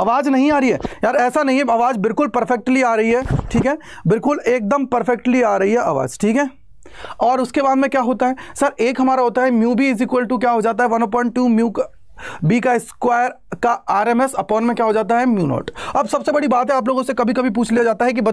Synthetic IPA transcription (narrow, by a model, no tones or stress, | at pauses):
ɐʋaːd͡ʒnɐɦĩaːɾɐiɦɛːjaːɾɛːsanɐɦĩɦɛɐʋaːd͡ʒbɪlkʊlpɐɾfɛk̚ʈliaːɾɐɦiɦɛːʈʰiːkɦɛː | bɪlkʊleːk̚d̪əmpɐɾfɛk̚ʈliaːɾɐɦiɦɛʔa̰ːʋa̰ːd͡ʒʈʰiːkɦɛː | ɔːɾʊskebaːd̪mẽkjaːɦoːt̪aɦɛːsɐɾeːkɦɐmaːɾaɦoːt̪aɦɛmjuːbʱiɪzikwəlʈuk̬jaːɦod͡ʒaːt̪̬aɦɛʋɐnoːp̬ɔ̃ːɪɳʈ̚ːuːmjuːk | bikaɪskwaːjəɾkaaːɾeːmɛsɐpɔːnmẽkjaːɦod͡ʒaːt̪̬aɦɛmjṵːnɔ̰ːʈɐbsɐbsebɐɽibaːt̪ɦɛaːp̬loːɡõsekɐbʱikɐbʱip̬uːt͡ʃʰliːjad͡ʒaːt̪aɦɛk̬ibɐ